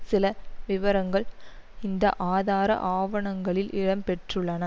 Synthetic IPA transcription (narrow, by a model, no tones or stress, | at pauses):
sɪlɐʋɪʋɐɾɐŋɡɐɭɪnd̪ɐ̰ʔaːðaːɾɐ̰ʔaːʋɐɳɐŋɡɐɭɪlʔɪɻɐmpɛʈrɯɭːɐnɐ